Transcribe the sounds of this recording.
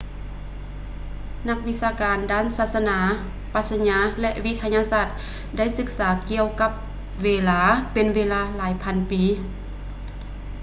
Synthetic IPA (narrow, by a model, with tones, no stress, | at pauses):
na˧k̚ʋi˧˥saː˧kaː˨ndaː˥˨nsaː˧t̪̚sa˧naː˨˦ | pa˧˥t̪̚sa˧ɲaː˧˥lɛ˧ʔʋi˧˥t̪ʰa˧ɲaː˧saː˧˩t̪̚ | da˥˨jsɯ˧˦k̚saː˩˦ki˧əwka˧˥p̚ | ʋeː˧laː˧pe˨nʋeː˧laː˧˩laː˨˦jpʰa˧˥npiː˨˦